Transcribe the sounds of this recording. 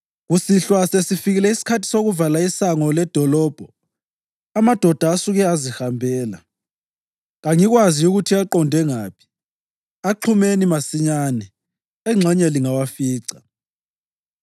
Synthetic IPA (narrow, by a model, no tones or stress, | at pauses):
ɣusiɬwasesifiɣilɛisi̥kʰatʰi̥soɣuvalaisaŋɔlɛd̥ʱɔlɔːb̥ʱɔ | amad̥ʱɔd̥ʱaːsuɣɛazihambʱɛːla̰ | ɣaŋiɣwaziuɣutʰiaǃɔndʱɛŋaːpʰi̥ | aǃʰumenimasiɲanɛ | ɛŋ͡ǁʱɛɲɛliŋawafiːǀḁ